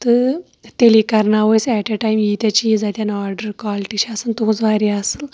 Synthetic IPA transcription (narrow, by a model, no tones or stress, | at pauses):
t̪ə | t̪elikəɾnaʋəjsɛʈeʈajmjit̪at͡ɕiid͡zat̪ʲjanɔɾɖəɾkʋaliʈiɕasənt̪uɦut͡sʋaɾiasəl